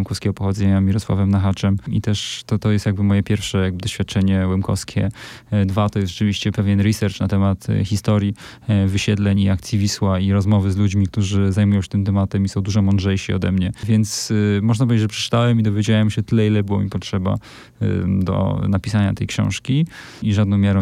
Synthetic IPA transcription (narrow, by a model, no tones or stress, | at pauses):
mkɔfskʲɛɡɔpɔxɔd̪zɛɲamʲiɾɔswa̰vɛmnaxat͡ʂɛmḭt̪ɛʂt̪ɔt̪ɔjɛst̪jaɡ̚bɘmɔjɛpʲjɛɾfʂɛjaɡ̚bɘd̪ɔɕfʲjat̪̚t͡ʂɛɲɛwɛmkɔ̰fskʲʰɛ̰ | d̪vat̪ɔjɛsʐɛt͡ʂɘvʲiɕt͡ɕɛpɛvʲjɛnɾisɛɾt͡ʂnat̪ɛmat̪xʲist̪ɔɾji | vɘɕɛd̪lɛɲiakt̪sʲjivʲiswaiɾɔzmɔvɘzlud͡ʑmʲik̚t̪uʐɘzajmujɔ̃wɕɛ̥t̪ɘmt̪ɛmat̪ɛmisɔ̃w̃d̪uʐɔmɔndʐɛjɕiɔ̰d̪ɛmɲɛvʲjɛnt̪smɔʐnatpɔved͡ʑjd͡ʑʐɛpʂɛ̥t͡ʂɨ̥t̪awɛmid̪ɔvʲjed͡ʑawɛmɕɛt̪ɘlɛilɛbɘwɔ̰mʲipɔtʂɛba̰ | d̪ɔ̰napʲisaɲa̰t̪ɛjkɕɔ̰̃w̃ʂkʲi | iʐad̪nɔ̃w̃mʲjaɾɔ̃w̃